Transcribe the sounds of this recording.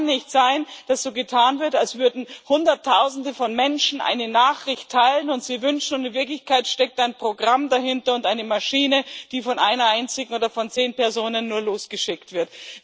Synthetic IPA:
nːɪçtz̥aɪnd̥asz̥oːɡətʰaːnvɪɐtalsv̥ʏɐdn̩hʊndɐtʰːaʊzn̩dəfɔnmɛnʃn̩ʔa̰ɪnənaːχʁɪçtʰːaɪlənʊntz̥iːvʏnʃn̩ʊndɪnvɪɐklɪçkaɪtʃtɛk̚taɪnpʁ̥oɡʁamdahɪntɐʊntaɪnəmaʃiːnəd̥iːfɔnʔaɪnɐaɪnt͡sɪɡŋ̩oːdɐfɔnt͡seːnpɛɐzoːnənːuːɐloːsɡ̥əʃɪktv̥ɪɐt

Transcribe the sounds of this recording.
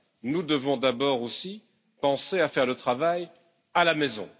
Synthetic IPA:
nud̪əvɔ̃d̪abɔʁosi | pɑ̃seafɛʁlət̪χavaj | alamɛzɔ̰̃

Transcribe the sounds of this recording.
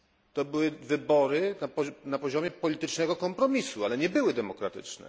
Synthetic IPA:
t̪ɔbɘwɘvɘbɔɾɘnapɔnapɔʑɔmʲjɛpɔlʲit̪ɘt͡ʂnɛɡɔkɔmpɾɔmʲisualɛɲɛbɘwɘd̪ɛmɔkɾat̪ɘ̰t͡ʂnɛ̰

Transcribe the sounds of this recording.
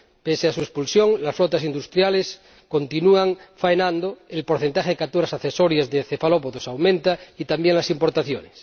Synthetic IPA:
peseasuespulsjoŋlasflot̪asind̪ust̪ɾjales | ko̞nt̪inuaŋfaenãnd̪oelpo̞ɾθent̪axeðekat̪uɾasaθesoɾjazðeθefalopoðosawmẽnt̪ait̪ambjeŋlasimpo̞ɾt̪aθjo̰nes

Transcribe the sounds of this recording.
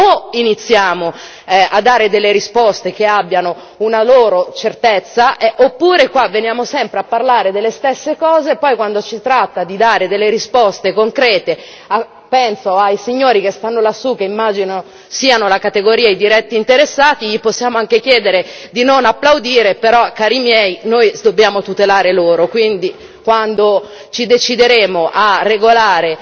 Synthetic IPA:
oinit̪sːjaːmo | ad̪ːaːɾed̪elːeɾispɔst̪ekeabːjano | unaloːɾot͡ʃert̪et̪sːaʔɛʔopːuːɾekwavːenjaːmosɛmpɾeapːarlaːɾed̪elːest̪esːekɔːzepɔjkwand̪ot͡ʃit̪ɾat̪ːad̪id̪aːɾed̪elːeɾispɔst̪ekoŋkɾɛːt̪e | a | pɛnsoajsiɲːoːɾikest̪anːolasːukeimːaːd͡ʒino | siːanolakat̪eɡoɾiːaijd̪iɾɛt̪ːiːnt̪eɾesːaːt̪iʎiposːjaːmoaŋk̟ek̟jɛːd̪eɾed̪inonapːlawd̪iːɾepeɾɔkːaːɾimjɛjnoːjd̪obːjaːmot̪ut̪elaːɾeloːɾokwind̪i | kwand̪o | t͡ʃid̪et͡ʃid̪eɾeːmoʔarːeɡolaːɾe

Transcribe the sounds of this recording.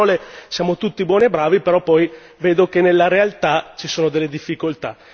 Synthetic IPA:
ɔlesjaːmot̪ut̪ːibwɔːniebːɾaːvipeɾɔpːɔj | veːd̪okenelːaɾealt̪at͡ʃisoːnod̪elːed̪ifːikolt̪a̰

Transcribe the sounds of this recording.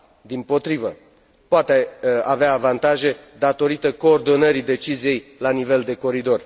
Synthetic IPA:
d̪impo̞t̪ɾivə | poat̪eaveaːvant̪aʒe̞d̪at̪o̞ɾit̪əko̞ːrd̪o̞nəɾid̪e̞t͡ʃizije̞jlanive̞ld̪e̞ko̞ɾid̪o̞r

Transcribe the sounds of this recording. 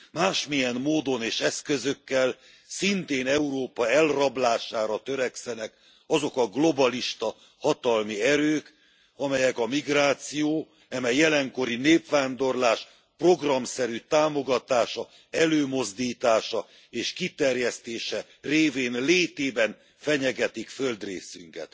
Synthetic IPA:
maːʃmijɛnːoːd̪o̞neːʃɛskø̞zøkːɛl | sint̪eːnɛuɾoːpɒɛlrɒblaːʃaːɾɒt̪øɾɛksɛnɛk | ɒzo̞kɒɡlo̞bɒliʃt̪ɒ | hɒt̪ɒlmiɛɾøːk | ɒmɛjɛkɒmiɡraːt̪sijoː | ɛmɛjːɛlɛŋko̞ɾineːpfaːnd̪o̞rlaːʃ | pro̞ɡrɒmsɛɾyt̪aːmo̞ɡɒt̪aːʃɒ | ɛløːmo̞zd̪iːt̪aːʃɒ | eːʃkit̪ɛrjɛst̪eːʃɛ | reːveːnleːt̪eːbɛn | fɛɲɛɡɛt̪ikføld̪rḛːsyŋkɛ̰t̪

